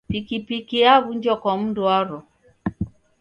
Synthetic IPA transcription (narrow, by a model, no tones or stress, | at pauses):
pikipikiaβuɲd͡ʒɔkɔm̩dwaɾɔ